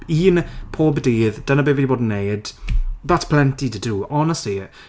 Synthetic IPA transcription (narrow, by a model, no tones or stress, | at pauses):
iːnpʰoːbədiːðd̥ənəbɪviboːdn̩ːejd̥ðatʰpʰl̥ˠɛntitʰəduɔnəsti